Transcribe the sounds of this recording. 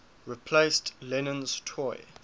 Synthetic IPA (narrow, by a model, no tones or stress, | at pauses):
ɹipʰlestlɛnə̃nz̥tʰɔɪ